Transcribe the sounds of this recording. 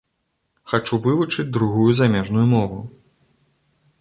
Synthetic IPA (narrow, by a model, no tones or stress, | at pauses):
xat͡ʂuvɨvut͡ʂɨt͡sʲd̪ɾuɣujuzamʲɛʐnujumɔvu